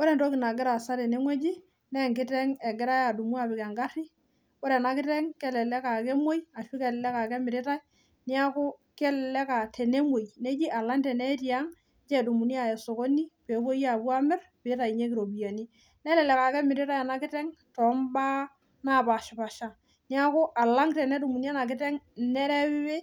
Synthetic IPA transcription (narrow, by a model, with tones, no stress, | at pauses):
ɔ˦ɾɛ˨ntɔ˦kɪ˨na˨ɡɪ˦ɾa˨sa˦te˨ne˦ŋwɛ˦d͡ʒi˦ | nɛ˦˨ŋkɪ˦tɛ˦ŋɛ˨ɡɪ˦ɾa˦ja˨du˨mu˦a˦˨bɪ˨kɛ˨ŋɡa˦ri˦ | ɔ˦ɾɛ˨na˨kɪ˦tɛ˦ŋkɛ˦lɛ˨lɛ˦ka˨kɛ˦mo˦ja˨ʃi˦kɛ˨llɛ˦ka˨kɛ˦mɪ˨ɾɪ˦ta˦j | nɪ˦a˦kʊ˦kɛ˦lɛ˨lɛ˦ka˨tʰe˨ne˦mo˨jne˦d͡ʒi˦ʔa˨la˦ntɛ˨nɛ˦ti˦a˦ŋ | t͡ʃɛ˨du˨mu˨ni˦a˨ɛ˨so˨ko˦ni˦pe˨˦ko˦ja˨bu˦a˦mɪ˦rpɪ˨˦ta˨i˨ɲe˦kɪ˨ɾo˨bi˨ja˨ni˦ | nɛ˦lɛ˨lɛ˨ka˨kɛ˦mɪ˨ɾɪ˦ta˦ja˨na˦kɪ˦tɛ˦ŋtɔ˨˦mba˦ | na˦˨ba˨ʃɪ˨ba˨ʃa˨ | nɪ˦a˦ko˦ʔa˨la˦ŋtɛ˨nɛ˦du˨mu˨ni˦a˦na˨k̬ɪ˦tɛ˦ŋnɛ˦ɾɛ˦wɪ˦we˦